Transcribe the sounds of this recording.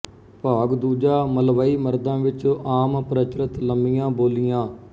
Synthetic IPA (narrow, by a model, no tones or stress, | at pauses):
paːɡd̪uːd͡ʒaːməlʋaːiːməɾd̪ãːʋɪt͡ʃaːmpɾət͡ʃɾət̪ləmɪjãːboːlɪjãː